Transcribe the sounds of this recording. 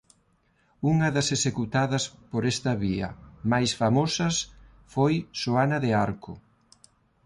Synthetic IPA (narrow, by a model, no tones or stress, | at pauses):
uŋɐðɐsesekut̪aðɐspoɾest̪ɐβiɐ̰majsfamosɐs | fojʃoanɐðeaɾkʊ